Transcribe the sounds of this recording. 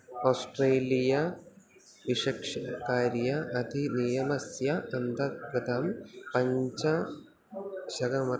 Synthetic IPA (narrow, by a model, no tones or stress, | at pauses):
oːsʈreːlijɐ | ʋiʂɐkʂɐkaːɾjɐʔɐd̪ʱinijɐmɐsjɐɐnd̪ɐɡɐd̪aːmpɐɲd͡ʑɐ | ɕɐɡɐmɐ